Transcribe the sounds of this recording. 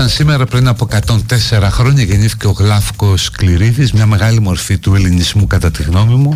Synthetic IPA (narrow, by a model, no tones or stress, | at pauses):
ɐnsimeɾɐpɾinɐpo̞ekɐt̪o̞nt̪e̞se̞ɾɐxɾo̞ɲɐʝe̞niθi̥ce̞o̞ɣlɐfko̞skliɾiðizmɲɐme̞ɣɐlimo̞ɾfit̪uelinizmukɐt̪ɐt̪iɣno̞mimu